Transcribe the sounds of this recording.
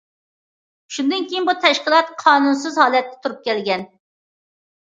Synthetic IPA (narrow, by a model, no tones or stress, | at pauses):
ʃund̪ɨnkʲejinbut̪ʰɛʃqəlˠɑt̪qʰɑːnuns̬ɨzhɑːlɛt̪̚ːɛ̥t̪ʰuɾup̚kʲɛlɡʲɛn